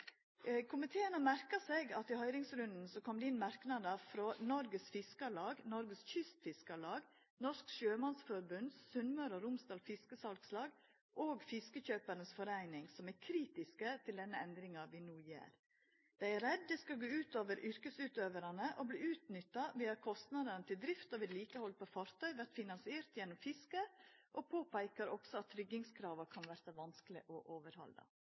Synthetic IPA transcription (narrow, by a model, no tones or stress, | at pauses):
kʰʊmɪt̪ʰeːənəmæɾkɑsɛɡɑt̪ɪhœʏɾɪŋsɾʉnd̪n̩sɔkʰɔmd̪ɛɪnmɑɾknɑd̪əfɾɔnɔɾɡəsfɪskɑlɑːɡnɔɾɡəsçʏst̪fɪskɑlɑːɡ | nɔʂkʃøːmɑnsfɔɾbʉnsʉnməɾɔɾʊmst̪ɑːlfɪskəsɑlkslɑːɡ | ʔoːɡfɪskəçøːpəɾɳəsfɔɾæɪnɪŋsɔmæɾkʰɾiːt̪ɪskət̪ʰɪld̪ɛnːəɛnd̪ɾɪŋɑʋiːnuːjḛːɾ | d̪̥æɪæɾɛd̪ːɛskɑɡoːʉːt̪oːʋəɾʔʏɾkəsʉːt̪øːʋəɾɑnəʔobliːʉːt̪nʏt̪ːɑʋiːɑkʰɔst̪nɑd̪ənət̪ʰɪld̪ɾɪft̪oːʋɪliːkəhɔlpʰofɑɾt̪ʰœʏʋæɾt̪fɪnɑnsɪeːɾt̪jɛnːʊmfɪskəʔopʰoːpæɪkɑɾɔɡsɔɑt̪ʰːɾʏɡɪŋskʰɾɑːʋɑkʰɑnʋæːɾsɑʋɑnsklɪʔɔʔoːʋəɾhɔ̰ld̪ə̰